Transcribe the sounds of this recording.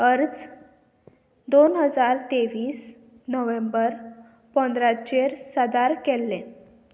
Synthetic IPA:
əɾd͡z | d̪onɦəd͡zaɾt̪eʋiːs | nəʋẽmbəɾ | pənd̪ɾat͡ɕeɾsəd̪aɾkɛlːẽ

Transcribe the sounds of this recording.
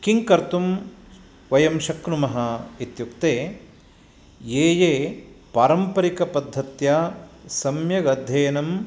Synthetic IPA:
kiŋkɐɾt̪um | ʋɐjɐmʃɐkɾumɐɦɐit̪jukt̪eː | jeːjeːpaːɾɐmpɐɾikɐpɐd̪ʱːɐt̪jasɐmjɐɡɐd̪ʱjɐːnɐm

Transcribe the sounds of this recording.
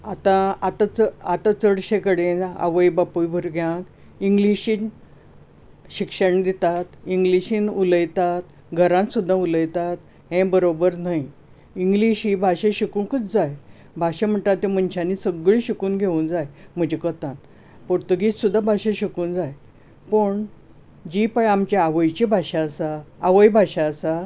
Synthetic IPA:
at̪ãat̪at͡səat̪at͡səɽɕekəɽena̰ʋəjbapujbʱuɾɡʱjãk | iŋɡliɕiːn | ɕikʂəɳd̪it̪at̪iŋɡliɕĩːnuləjt̪at̪ | ɡʱəɾãnsud̪ʱːauləjt̪at̪ | ɦẽbəɾobəɾnaj | iŋɡliɕiːbʱaɕaɕikuːnkət͡sd͡zaj | bʱaɕam̤əɳt̪at̪ːem̤ənt͡ɕʰanisəɡɭiɕikuːnɡʱeuːnd͡zajm̤əd͡ʑekət̪ãn | poɾt̪uɡissud̪ʱːabʱaɕãɕikuːnd͡zaj | pəɳ | d͡ʑipəamt͡ɕaaʋəjt͡ɕibʱaɕaəsaːʋəjbʱaɕaəsa

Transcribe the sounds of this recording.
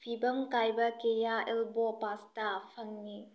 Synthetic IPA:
pʰibɐmkajbɐkejaɛlbɔpastapʰɐŋni

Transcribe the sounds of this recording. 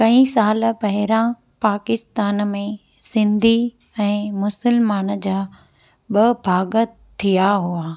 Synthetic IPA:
kɐ̃ĩsaːl̆pɐɦɪɾã | paːkɪst̪aːnmẽ | sɪ̃nd̪ʱi | ɛ̃ːmʊsəlmaːnd͡ʑaː | ɓɐbʱaːɡə | t̪ʰːijaɦua

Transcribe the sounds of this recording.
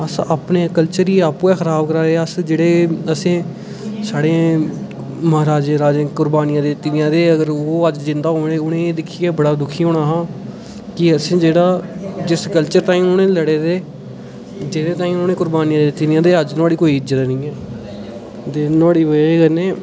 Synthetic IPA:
əsaːpneːkəlt͡ʃəɾiːaːpuːɛːxʰəɾaːb̚kəɾaːɾeːəsd͡ʒeːɽeːəsẽː | saːɽeː | məɦaːɾaːd͡ʒẽːɾaːd͡ʒẽːkʊɾbaːnɪjãːd̪eːt̪ɪnɪjãːd̪eːəɡəɾoːəd͡ʒd͡ʒɪnd̪aːɦoːɽ̃eːʊnẽːeːd̪ɪkʰːiːɛːbəɽaːd̪ʊkʰiːɦõːɳaːɦãː | kɪəsẽːd͡ʒeːɽaːd͡ʒɪskəlt͡ʃəɾt̪ãːĩʊnẽːləɽeːd̪eː | d͡ʒed̪eːt̪ãːĩːonẽːkʊɾbaːnijãːd̪eːt̪ɪnɪãːd̪eːəd͡ʒnaːɽiːkoːiːɪd͡ʒət̪ːnĩːɛː | d̪eːnaːɽiːʋəeɡəneː

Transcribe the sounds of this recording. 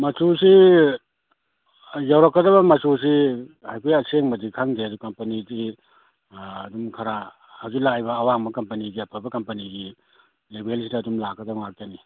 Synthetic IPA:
mɐsusi | jawɾakːɐdɐβɐmɐsus̬ihajpʰijɐseŋmɐdikʰaŋdeɐdukɐmpɐnidi | dumkʰaɾa | hazilajbɐːwaŋbɐkɐmpɐniɡiɐpʰabɐkɐmpɐniɡi | lebels̬ʰidɐːdumlakːɐdɐbŋak̚tani

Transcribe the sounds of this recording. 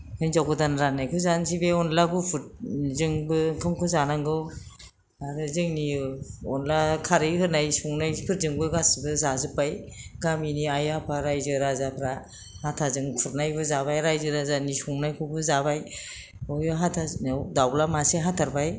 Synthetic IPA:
hɯnzawɡɯdanɾanajkʰɯzansibeɔnlabupʰut̚zɯŋbɯkʰɯŋkʰɯzanaŋɡɯw | aɾɯzɯŋniɔnlakʰaɾiɦɯnajsuŋnajpʰɯɾ̚zɯŋbɯɡasɯbɯzazɯpajɡaminiajapʰaɾajzɯɾazapʰɾa | hatʰazɯŋpʰuɾnajbɯzaβajɾajzɯɾazanisuŋnajkʰɯbɯzabaj | ɔjɔɦatʰadawlamaseɦatʰaɾbaj

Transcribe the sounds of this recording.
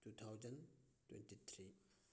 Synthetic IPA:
tut̪ʰawzəntwɛ̰̃ntit̪ʰɾi

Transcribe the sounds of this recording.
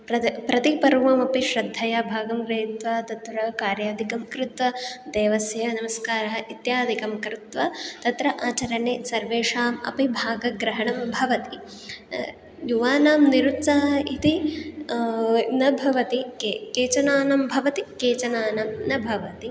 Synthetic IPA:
pɾɐpɾɐt̪ipɐɾuʋɐmɐpiʃɾɐd̪ʱːɐjɐbʱaːɡɐmkɾeːt̪ʋaːt̪ɐt̪ʋɾɐkaːɾjaːd̪ʱikɐmkɾɪt̪ʋɐd̪eːʋɐsjɐnɐmɐskaːɾɐɦɐʔit̪jaːd̪ʱikɐmkɾut̪ʋɐt̪ɐt̪ɾɐʔaːt͡ʃɐɾɐɳesɐɾʋeːʂaːmɐ̰pibʱaːɡɐɡɾɐɦɐɳɐmbʱɐʋɐt̪i | juʋaːnaːmniɾut̪sɐɦɐit̪i | nɐbʱɐʋɐt̪ikːkeːt͡ʃɐnaːnɐmbʱɐʋɐt̪ikeːt͡ʃɐnaːnɐmnɐbʱɐʋɐt̪i

